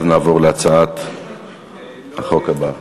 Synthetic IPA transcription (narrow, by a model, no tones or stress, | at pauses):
vnaːvoʁleat͡saat̪ | aχo̞khaba